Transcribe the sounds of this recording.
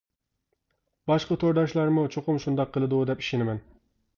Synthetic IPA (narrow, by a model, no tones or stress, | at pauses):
bɑʃqɑt̪ʰoɾd̪ɑʃlˠɑɾmut͡ʃʰoqʊmʃund̪ɑqʰːəlˠɨd̪ud̪ɛpi̥ʃɪnɪmɛn